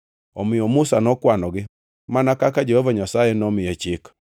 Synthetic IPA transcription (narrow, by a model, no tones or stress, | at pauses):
ɔmɪjɔmusanɔkwanɔɡɪ | manakakad͡ʒehovaɲasajenɔmɪɛt͡ʃɪk